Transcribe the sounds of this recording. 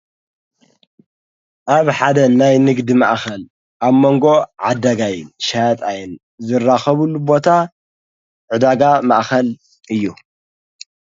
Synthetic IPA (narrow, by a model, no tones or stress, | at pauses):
ʔaβħad̪ɐnajnɨɡd̪imaʔxɐl | ʔaβmo̞ŋɡo̞ʕad̪ɐɡajɨnʃat̪ʼajɪn | zɨrːaxɐβulːubo̞t̪ʰa | ʕud̪aɡamaʔxɐl | ʔɨjːu